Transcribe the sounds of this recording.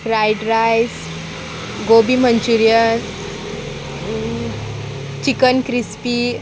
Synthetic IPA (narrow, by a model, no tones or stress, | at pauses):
ɾajɖɾajs | ɡobimənt͡ɕuɾijən | t͡ɕikənkɾispi